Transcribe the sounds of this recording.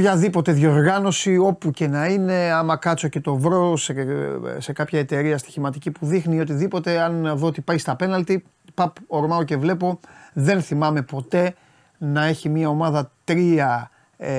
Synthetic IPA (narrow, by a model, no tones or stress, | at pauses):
pçɐðipo̞t̪e̞ðjoɾɣɐno̞sio̞puce̞nɐine̞ɐmɐkɐt̪t͡so̞ce̞t̪o̞vɾo̞sese̞kɐpçɐe̞t̪e̞ɾiɐst̪i̥çimɐt̪icipuðixnio̞t̪̬iðipo̞t̪e̞ɐnðoot̪ipɐjst̪ɐpe̞nɐlt̪i | pɐpoɾmɐoce̞vle̞po̞ðe̞nθimɐme̞po̞t̪e̞ | nɐe̞çimiɐo̞mɐðɐt̪ɾiɐ